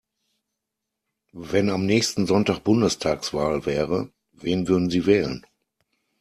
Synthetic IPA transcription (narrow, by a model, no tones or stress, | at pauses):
vɛnamnɛːçstn̩zɔntaːk̚b̥ʊndəstʰaːksv̥aːlvɛːʁə | veːnvʏɐdn̩ziːvɛːlə̰n